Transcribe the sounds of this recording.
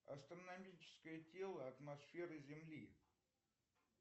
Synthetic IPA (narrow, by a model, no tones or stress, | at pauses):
ɐ̰st̪ɾənɐmʲit͡ɕɪ̥skəjətʲelˠəɐt̪mɐsfʲe̞ɾɨzʲɪmlʲi